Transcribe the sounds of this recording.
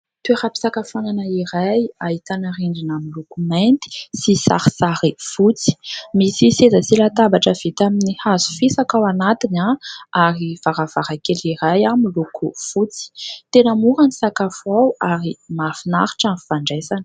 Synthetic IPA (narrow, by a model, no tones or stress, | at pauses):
t̪ueɾapi̥sakafananaiɾajaɦit̪anariɳɖ͡ʐinamilukumɛnt̪i̥sisa̰ɾisaɾifut͡si̥misisezasilat̪abaʈ͡ʂəv̥et̪aminihazu̥fisakawanat̪inaaɾivaɾavaɾakeliɾajamilukʰufut͡si̥t̪enəmuɾanisakafawaɾimafinaɾi̥ʈ͡ʂanfaɳɖ͡ʐesanə̥